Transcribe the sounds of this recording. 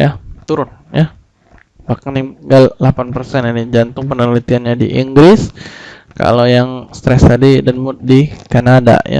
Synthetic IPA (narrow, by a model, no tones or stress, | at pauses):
jat̪uɾʊn | ja | bahkaniɡallapanpərsɛninid͡ʒant̪ʊŋpənəlit̪ianɲadḭʔiŋɡɾɪs | ka̰lojaŋst̪ɾɛst̪adidanmʊt̪̚dikanada̰ja̰